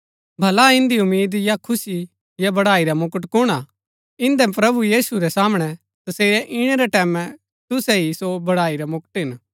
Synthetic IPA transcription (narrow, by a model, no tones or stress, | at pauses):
bʱɐlaɪ̃nd̪iʊmːiːd̪jakʰʊsi | jabɐɽaːiɾamʊkəʈ̬kʊɽ̃a | ɪ̃nd̪ɛpɾɐbujiːsuɾɛsaːmɽ̃ɛ | t̪ɐseːɾɛʔɪɽ̃ɛɾɛʈɛːmɛ̃ | t̪ʊsɛɦisobɐɽaːiɾɛmʊkʈɦɪn